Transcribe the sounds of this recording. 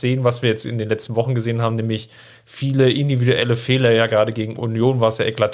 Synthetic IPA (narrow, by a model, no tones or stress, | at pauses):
z̥eːənvasv̥iːɐjɛt͡stɪ̰ndeːnlɛt͡stn̩vɔχn̩ɡəzeːənɦaːbm̩nɛːmlɪç | fiːləʔɪndividuʔɛ̰ləfɛːlɐjaːɡʁaːdəɡeːɡŋ̩ʔṵnjoːnvaːəsjaːʔɛklatʰ